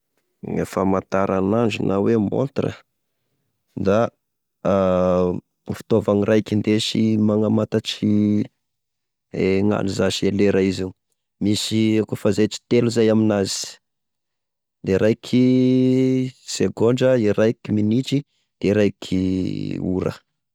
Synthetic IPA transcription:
ḛfəmat̪aɾanand͡ʒṵnʔawemo̰nt̪rə̰ | d̪a | fi̥t̪ovaŋirʔajkind̪eʃimaŋamat̪at͡ʃi | eŋa̰nizaʃeleɾaizi | misikufazet͡ʃi̥t̪eluzajaminazi̥ | d̪eiɾajkʰi | seɡoɳɖ͡ʐəiɾajkiminit͡ʃi | d̪̥eiɾajkʰiṵɾə̰

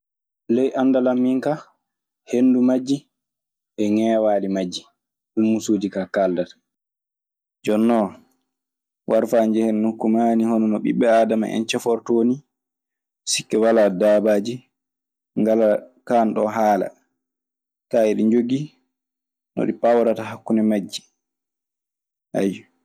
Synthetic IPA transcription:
lɛjʔandalamːiŋka | hendumad͡ʒːi | ʔɛŋɛːwaːlimad͡ʒːi | ɗumːusoːdikakaldat | d͡ʒɔnːɔ | waɾfand͡ʒɛhɛnːukːumaːnihɔnɔnɔɓiɓːɛaːdama̰ʔɛ̰nt͡ʃɛfɔɾtoni | sikːɛwaladaːbaːd͡ʒi | ŋɡalakanɗɔɦaːla̰ | kaːɛɗiɲd͡ʒoɡi | nɔ̰ɗipawɾataɦakːunɛmad͡ʒːi̥ | ʔa̰j

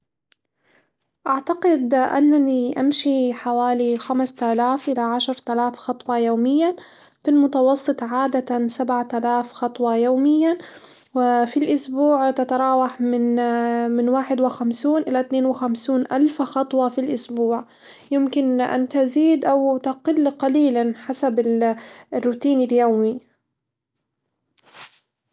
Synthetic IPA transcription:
ʔaʕt̪aqɪd̪ʔa̰nːaniʔa̰mʃiħawaːlixamst̪alaːfʔɪlaʕaʃɾˤt̪alaːfxɑt̪ˤwɑjoːmɪjːa | filmʊt̪ɑwɑsˤːɨt̪ˤʕaːd̪asabʕat̪alaːfxɑt̪ˤwɑjoːmɪjːa | wɪfilʔʊsbuːʕt̪at̪ɑɾˤɑːwɑħmɪnmɪnwaːħɪd̪wɪxamsuːnʔɪlat̪neːnwɪxamsuːnʔalfxɑt̪ˤwɑfilʔʊsbuːʕ | jɪmkɪnʔa̰nt̪aziːd̪ʔawt̪aqɪlːqɑliːlanħasabɪlrːʊt̪iːnɪljaːmi

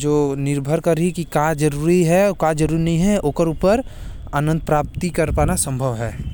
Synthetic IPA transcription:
d͡ʒoːnɪɾbʱəɾkɐɾikikad͡ʒəɾuːɾiɦɛkaːd͡ʒəɾuːɾinɐɦĩɦɛʔoːkəɾuːpəɾ | aːnə̃nd̪̚pɾaːp̚t̪ikɐɾpaːnasə̃mbʱəʋɦɛː

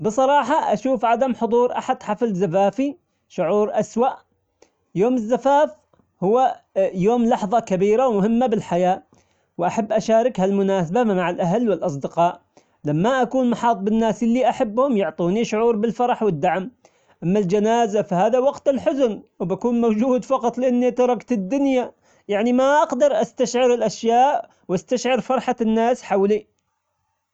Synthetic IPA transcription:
bɨsˤɑɾˤɑːħɑʔaʃuːfʕad̪amħʊðˤuːɾʔaħad̪ħaflzafaːfi | ʃʊʕuːɾʔaswaʔ | joːmɪzːafaːf | hʊwːajoːmlɑħðˤɑkabiːɾawmʊhɪmːabɪlħajaː | wʔaħabːʔaʃaːɾɪkhalmʊnaːsabamaʕɪlʔaɦalːwɪlʔɑs̬ˤd̪ɪqɑːʔ | lamːaʔakuːnmɑħɑːt̪ˤbɪnːaːsɪlːiʔaħabːhʊmjʊʕt̪ˤuːniʃʊʕuːɾbɪlfɑɾˤɑħwɪd̪ːaʕm | ʔamːald͡ʒanaːzafahaːðawɑqt̪ɪlħʊzʊnwbakuːnmowd͡ʒuːd̪fɑqɑt̪ˤlɪʔanːit̪ɑɾˤɑkt̪ɪd̪ːʊnja | jaʕnimaʔɑqd̪ɑɾˤʔast̪aʃʕɪɾɪlʔaʃjaːʔ | wʔast̪aʃʕɪɾfɑɾˤħanːaːsħawli

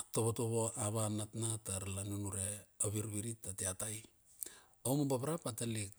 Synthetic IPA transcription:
toβotoβo̞aβanatnataɾalanunuɾe̞oβiɾβiɾitːateataj | omobaβɾapatalik̚

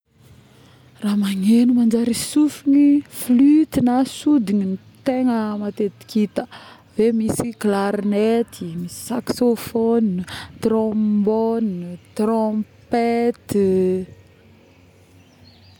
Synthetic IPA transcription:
ramaŋenumand͡ʒaɾisufiniflyt̪inasud̪iɲinit̪eŋəmat̪et̪i̥kit̪ə | vemisiklaɾnet̪ʰimisi̥saksofont̪rɔ̃bont̪rɔpet̪

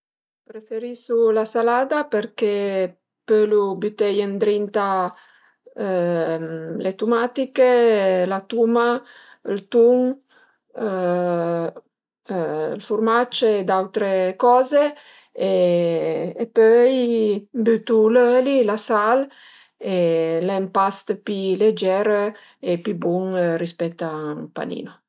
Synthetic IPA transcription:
pɾefeɾisulasalad̪apeɾke | pølubyt̪ejend̪ɾint̪a | let̪umat̪ikelat̪uma | lt̪uŋ | lfurmat͡ʃed̪awt̪ɾekɔze | eː | pøjbyt̪ulølilasal | elɛmpast̪piled͡ʒɛɾ | epibuŋrispɛt̪ːapa̰nḭːno

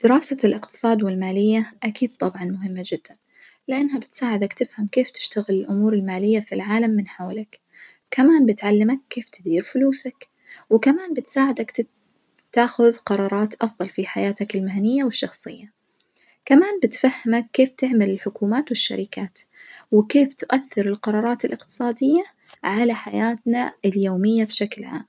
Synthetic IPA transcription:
d̪̥ɪɾɑːsalʔɪqt̪ɨ̥sˤɑːd̪wɪlmaːlɪjːaʔakiːd̪̚t̪ˤɑbʕɑnmʊɦɪmːad͡ʒɪd̪̥ːan | lɪʔɪnːɦabɪt̪saːʕɪd̪akt̪ɪfhamkeːft̪ɪ̥ʃt̪aɣɪlɪlʔʊmuːɾɪlmaːlɪjːafilʕaːlamːɪnħoːlak | kːamaːnbɪt̪ʕalːɪmakːeːft̪ɪd̪iːɾfʊluːsak | wɪkamaːnbɪt̪saːʕɪd̪akt̪ | t̪aːxʊðqɑɾˤɑːɾˤɑːt̪ʔɑfðˤɑlfiħajaːt̪akɪlmahanɪjːawɪʃːɑxsˤɨ̰jːa | kamaːnbɪt̪fahːɪmakːeːft̪ɪʕmɪlɪlħʊkuːmaːt̪wɪʃːa̰ɾɪkaːt̪wɪkeːft̪ʊʔaθːɪɾɪlqɑɾˤɑːɾˤɑːt̪ɪlʔɪqt̪ɨ̥sˤɑːd̪ɪjːa | ʕalaħajaːt̪na̰ɪljoːmɪjːabʃaklʕa̰ːm

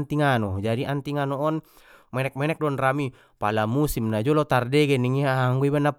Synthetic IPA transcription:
nt̪iŋanɔd͡ʒadiʔant̪iŋanoɔn | mɛnɛk̚mɛnɛk̚dɔnrami | palamusimnad͡ʒɔlot̪ardɛɡɛniŋiaaŋɡuibanap

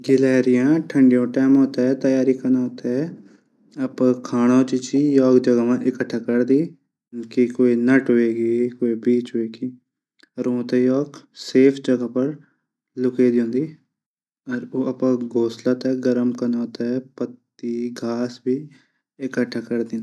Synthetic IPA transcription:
ɡɪlɛːɾɪjãːʈʰəɳɖɪjõːʈɛːmoːt̪aːɛːt̪əjaːɾiːkənaːoːt̪aɛ | əpãːkʰaːɽ̃oːt͡ʃit͡ʃiːjɔːkd͡ʒəɡaʋãːʔɪkəʈʰːaːkəɾd̪iː | kikoːiːnəʈɦoeːɡiːkoːiːbiːt͡ʃɦoeːɡiː | əɾõːt̪ɛːjɔːɡseːpʰd͡ʒəɡaːpəɾ | lʊkeːd̪iõːnd̪iː | əɾoːapãːɡoːslaːt̪ɛɡəɾəmkənaoːt̪aɛpət̪ː | iːɡʱaːsbiː | ɪkəʈʰːaːkəɾd̪ɪ̃ːn

